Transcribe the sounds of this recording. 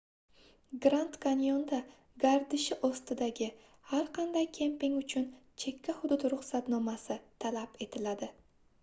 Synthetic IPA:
ɡɾant̪kanijond̪a | ɡaɾd̪ɪʃɪʔɒst̪ɪd̪aɡʲɪ | haɾqʰɑnd̪ajkʲʰe̞mpɪŋʊt͡ʃʰʊnt͡ʃʰe̞kʲʰːahʊd̪ʊd̪ɾʊχsat̪nɒmasɪt̪ʰalape̞t̪ʰɪlad̪ɪ

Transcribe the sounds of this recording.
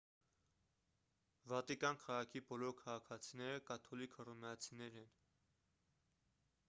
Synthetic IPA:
vɑt̪ikɑnkʰɑʁɑkʰibɔlɔɾkʰɑʁɑkʰɑt͡sʰinɛɾəkɑt̪ʰɔlikʰərɔmɛɑt͡sʰinɛɾɛn

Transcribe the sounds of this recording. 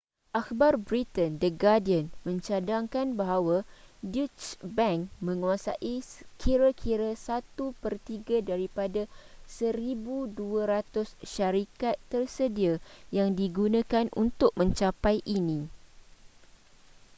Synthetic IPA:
ʔakbarbɾit̪əndəɡadiənmə̃ɲt͡ʃadaŋkanbaɦawadut͡ʃbãŋkmə̃ŋuasa̰ʔikʰiɾakʰiɾasat̪upərt̪iɡadaɾipadasəɾibuduaɾat̪ʊsʃaɾikat̪ːərsədiajaŋdiɡunãkanʔṵnt̪ʊk̚mə̃ɲt͡ʃapajʔinĩ

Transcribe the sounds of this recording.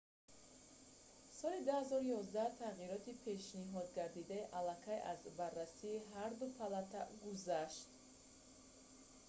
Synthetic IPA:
sɔlid̪uhazɔɾujɔzd̪at̪ʰaʁiɾɔt̪ipʰe̞ʃniɦɔd̪̚ɡaɾd̪id̪aiʔalakʰajʔa̰zbarːasiːɦaɾd̪upʰalat̪ʰaɡuzaʃt̪

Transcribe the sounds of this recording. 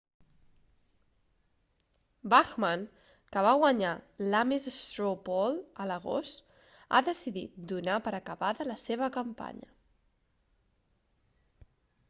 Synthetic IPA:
baxmən | kəβaɣwəɲalamezest̪ɾopɔlˠələɣ̞o̰st̪ | a̰ðəsiðḭt̪̚d̪unapəɾəkəβaðələseβəkəmpa̰ɲə̰

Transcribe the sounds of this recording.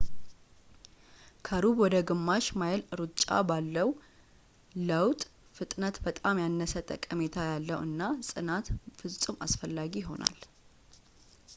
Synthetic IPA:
kʰəɾubwɔd̪əɡɨmːaʃmajlɨɾut͡ʃʼːa̰balːəw | ləwt̪ʼ | fɨt̪ʼnət̪bət̪ʼamjanːəsət̪ʼə̰kʼːəme̞t̪ʰajalːəwɨ̰nːasʼɨnat̪fɨsʼɨma̰sfəlːaɡiɦo̞̰na̰l

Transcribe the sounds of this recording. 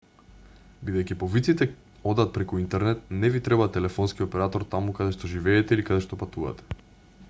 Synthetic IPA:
bid̪ɛjkʲipɔvit̪sit̪ɛ | ɔd̪at̪̚pɾɛkuint̪ɛɾnɛt̪̚nɛvit̪ɾɛbat̪ɛlɛfɔnskiɔpɛɾat̪ɔɾt̪amukad̪ɛʃt̪ɔʒivɛːt̪ɛilikad̪ɛʃt̪ɔpat̪uva̰t̪ɛ̥

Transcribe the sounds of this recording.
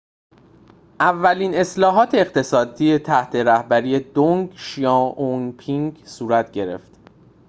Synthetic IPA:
ʔævːæliːne̞slɒːɦɒːt̪ʰe̞ːɢt̪ʰe̞sɒːd̪iːje̞t̪ʰæht̪ʰe̞ɾæhbæɾijed̪oŋɡʃijɑːonpʰiŋɡsuːɾæt̪ʰɟeɾe̞̰ft̪

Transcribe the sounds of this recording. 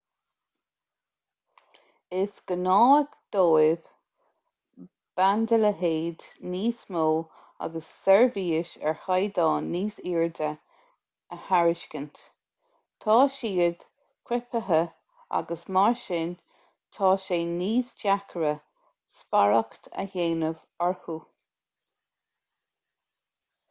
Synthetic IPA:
ɪsɡ̥ənɑːəɡd̪̥oːɪv̥ | b̥and̪ələɦeːd̪niːsmoː | a̰ɡəsːɛɹviːəʃɛ̰ɹhajd̪ɑːniːsiːɹd̪ə | əhaɹɪʃkənt̪ | t̪ʰɑːʃiːəd̪̥ | kʰwɪpəɦə | a̰ɡəsmɑɹʃɪn | t̪ʰɑːʃeːniːsd͡ʒakʰəɾə | spaɹəkt̪ʰə̰heːnəv | aɹhuː

